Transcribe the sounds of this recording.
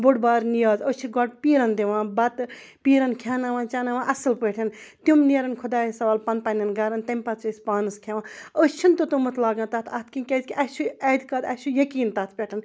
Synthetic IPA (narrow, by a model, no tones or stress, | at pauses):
boɽbaːɾnijaːzəst͡ʃʰiɡɔʈpiːɾɐnd̪iʋãːbɐt̪ | piːɾɐnkʰaːnaʋãːnt͡ʃaːnɐʋãːʔɐsɨlpəʈʰʲɐnt̪jumniːɾɐnkʰud̪aːjisɐʋaːlpɐnpɐnʲɐnɡɐɾɐnt̪ɐmʲpɐt͡susʲpaːnɨskʰeʋãəst͡ʃʰint̪ot̪umɐt̪ʰlaːɡãnt̪aːt̪ʰɐt̪̚ʰkinkʲɐzʲkʲiʔɐt͡ʃʰuɛd̪kɐt̪ɐt͡ʃʰujɐkiːnt̪aːt̪̚ʰpʲeʈʰɐn